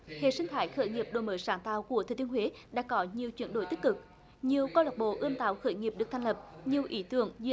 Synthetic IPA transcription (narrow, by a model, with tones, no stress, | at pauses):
hḛ˧˨sï˧ŋ̟t̪ʰaː˧˨˦jxəː˧˩˦jŋi˨˩əp̚ɗo˨jməː˨˦jsaː˧˩ŋt̪a̰ː˧˨wku˧˩ət̪ʰəː˨˩t̪i˧əhwe˨˦ɗa̰ː˧˥kɔ˨˦ɲi˨˩əwt͡ɕwi˧˩ənɗo̰˧˩jt̪ï˦˥k̚kɨ˨˩k̚ | ɲi˨˩əwkɔ˧la˨˩k͡p̚ɓo̰˧˨ʔɨ˧əmt̪a̰ː˧˨wxəː˧˦jŋi˨˩əp̚ɗɨ˨˩ək̚t̪ʰŋlə˨˩p̚ɲi˨˩əwʔi˨˦t̪ɨ̰˧˩əŋzɨ˧